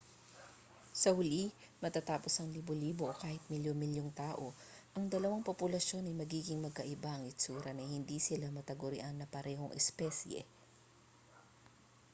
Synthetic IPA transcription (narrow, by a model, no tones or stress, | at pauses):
sɐhʊli | mɐt̪at̪aːpo̞sɐŋliboliːboʔokaːhɪt̪̚mɪljomɪljoŋt̪aːʔo̞ʔɐŋd̪ɐlɐwaŋpopʊlɐʃo̞nɐjmɐɡiːɡɪŋmɐɡ̚kɐʔɪbaʔɐŋɪt͡ʃuːɾɐnɐjhɪnd̪isɪlamɐt̪ɐɡʊɾɪ̰ʔanːɐpɐɾɛːɦoŋʔɛ̰spɛsjɛ̰